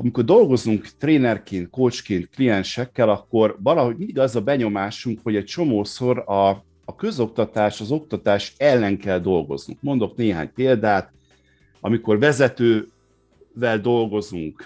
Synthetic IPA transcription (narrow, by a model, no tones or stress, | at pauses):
ɒmiko̞rd̪o̞lɡo̞zuŋkt̪reːnɛrkeːnt̪̚koːt͡ʃkeːnt̪̚klijɛnʃɛkːɛlɒkːo̞rvɒlɒɦo̞ɟmind̪iɡɛzɒbɛɲo̞maːʃuŋkho̞ɟɛc̚t͡ʃo̞moːso̞ɾɒː | kø̞zo̞kt̪ɒt̪aːʃɒzo̞k̚t̪ɒt̪aːʃɛlːɛŋkɛld̪o̞lɡo̞̰znṵŋkmo̞nd̪o̞kneːɦa̰ːɲpeːld̪aːt̪ | ɒ̰miko̞rvɛzɛt̪øː | vɛld̪o̞lɡo̞zuŋk